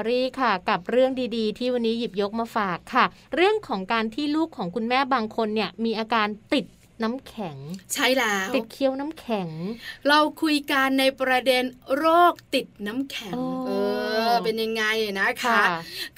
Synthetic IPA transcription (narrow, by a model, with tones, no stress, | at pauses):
ɾiː˥˩kʰa˥˩ka˨˩p̚ɾɯ˥˩əŋdiː˧diː˧t̪ʰiː˥˩wa˧nːiː˦˥ji˨˩p̚jo˦˥k̚maː˧faː˨˩kʰːa˥˩ | ɾɯ˥˩əŋkʰɔː˩˦ŋkaː˧nt̪ʰiː˥˩luː˥˩kʰːɔː˩˦ŋkʰu˧nmɛː˥˩baː˧ŋkʰo˧nːi˥˩əmiː˧ʔaː˧kaː˧nt̪i˨˩t̪̚ | na˦˥mkʰɛ˩˦ŋt͡ɕʰa˥˩jlɛː˦˥t̪i˨˩t̪̚kʰi˧əwna˦˥mkʰɛ˩˦ŋɾa˧wkʰu˧jka˧nːa˧jpɾa˧de˧nɾoː˥˩k̚t̪i˨˩t̪̚na˦˥mkʰɛ˨˩˦ŋː˧ʔɤː˧pe˧nja˧ŋːa˧jna˦˥kʰa˥˩